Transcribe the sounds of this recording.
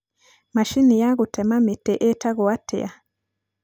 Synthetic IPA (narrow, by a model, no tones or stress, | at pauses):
maʃinijaɣutʰɛmametɛʔɛtaɣɔwatʰɛ̰a